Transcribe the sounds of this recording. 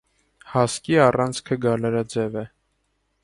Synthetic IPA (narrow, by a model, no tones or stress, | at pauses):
hɑskiɑrɑnt͡sʰkʰəɡɑlɑɾɑd͡zɛvɛ